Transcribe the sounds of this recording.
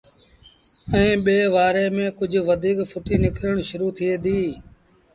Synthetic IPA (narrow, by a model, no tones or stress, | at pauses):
ɛ̃ːɓeːʋaːɾeːmẽːkʊd͡ʒʱʋəd̪ʱiːkfʰʊʈiːnɪkɾəɳʃʊɾuːt̪ʰɪeːd̪iː